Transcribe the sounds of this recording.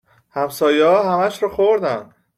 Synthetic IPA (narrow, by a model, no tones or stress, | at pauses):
hæmsɒːjehɒːɦæmæʃɾɒːxoɾd̪æn